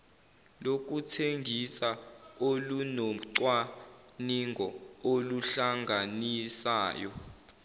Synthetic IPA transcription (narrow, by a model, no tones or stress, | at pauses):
lok̬ʼutʰeŋɡʱisaolunoǀwa | niŋɡʱɔoluɬaŋɡʱanisaːjɔ